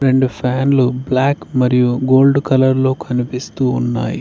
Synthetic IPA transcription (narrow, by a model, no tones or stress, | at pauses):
ɾe̞ɳɖupʰaːnlublaːkmɐɾijuɡo̞ːlɖkɐlɐɾlo̞ːkʰɐnipist̪uːnːa̰ːjḭ